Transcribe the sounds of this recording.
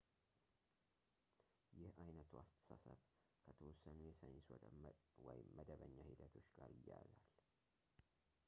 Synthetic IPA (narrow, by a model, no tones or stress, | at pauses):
jɪhʔajnət̪ʰuast̪ʰə̥sasəβ | kʰət̪ʰəwɔsənujesəjnswɔəwɔjɪmːəd̪əβəɲːahid̪ət̪ʰo̞t͡ʃːɡaɾɪjːazal